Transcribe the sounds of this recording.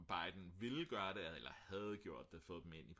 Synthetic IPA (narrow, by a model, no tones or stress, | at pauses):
b̥ɑ̈ɪd̥n̩ʋe̝lɡ̥ɶːɐɾe̝elɐhæð̞̩ˠɡ̥jo̝ɐ̰d̥ːefɔ̽ːð̩ˠd̥eme̝n̰ipʰ